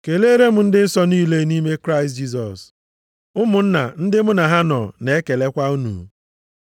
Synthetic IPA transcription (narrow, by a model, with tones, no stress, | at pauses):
ke˨le˦ɾe˦m̩˨˦n̩˦dɪ˦n̩˦sɔ˦niː˦le˦ni˦me˦kɾa˦ɪ˨std͡ʒi˦s̬ɔ˨s | ʊ˦mʊ˨n̩˦na̰˨n̩˦dɪ˦mʊ˦na˨ɦa˦nɔ̰˨ne˨e˦ke˨le˦kʷa˦u˦nṵ˨